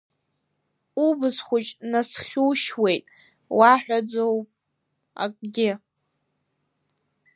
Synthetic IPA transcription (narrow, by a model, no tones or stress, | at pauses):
ubɨsχʷʊt͡ʃʼnasχʲuwʃwejtʼ | waħᶣʷad͡zowpʼ | a̰kʼɡʲɪ